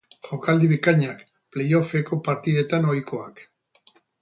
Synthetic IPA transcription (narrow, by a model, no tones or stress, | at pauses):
ʝo̞kald̪iβikaɲak | ple̞jo̞fe̞ko̞paɾt̪iðe̞t̪ano̞jkʰo̞ak